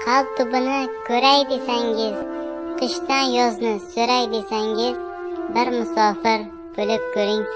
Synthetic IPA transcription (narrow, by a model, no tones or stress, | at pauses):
qʰal̚ˠt̪ʰʊbɪnɪkʲʰɵɾajd̪esaŋʲɪz̥q̪ʰɨʃt̪anjɒznɪsɵɾajd̪e̞saŋɪz | bɪɾmʊsɒfɪɾ | b̥olɪp̚kʲʰɵɾɪŋ